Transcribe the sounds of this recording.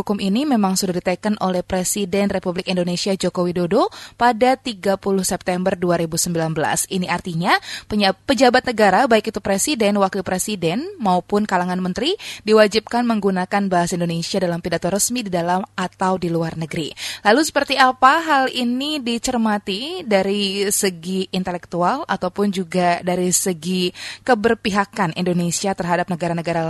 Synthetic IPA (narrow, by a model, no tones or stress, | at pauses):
ukʊmʔinimemaŋsudahdit̪akənʔolɛhpɾesidɛnrepublɪkindonesiad͡ʒokowidodopadat̪iɡapulʊhsɛp̚t̪ɛmbərduaɾibusəmbilanbəla̰siniart̪iɲapəpəd͡ʒabat̪̚nəɡaɾabaikit̪upɾesidɛnwakilpɾesidɛnmaupʊnkalaŋanmənt̪ɾidiwad͡ʒip̚kanməŋɡunakanbaɦasindonesiadalampidat̪ɔɾəsmididalamat̪awdiluarnəɡəɾilalusə̥pərt̪iapaɦalinidit͡ʃərmat̪idaɾisəɡiːnt̪elɛk̚t̪uala̰t̪awpʊnd͡ʒuɡadaɾisəɡikəbərpiɦakanḭndonesiat̪ərɦadap̚nəɡaɾanəɡaɾa